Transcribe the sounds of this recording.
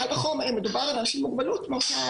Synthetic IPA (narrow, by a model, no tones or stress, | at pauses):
albaχomemedubaʁalanaʃimmuɡ̚balutmoʃa